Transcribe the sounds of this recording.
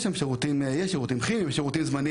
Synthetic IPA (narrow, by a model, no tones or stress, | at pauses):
ʃamʃeʁut̪imjeʃeʁut̪imχimimʃeʁut̪imzmani